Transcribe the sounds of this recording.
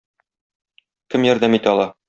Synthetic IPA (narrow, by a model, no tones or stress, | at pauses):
kɘmjɒɾd̪æmit̪ɘɒlˠɑ